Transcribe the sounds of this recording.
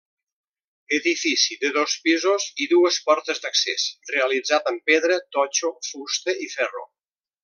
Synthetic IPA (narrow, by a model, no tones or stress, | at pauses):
əðifisiðəðospizoziðuəspɔɾt̪əzd̪əksḛsreəlid͡zat̪əmpeðɾət̪ɔt͡ʃofust̪eifɛro̰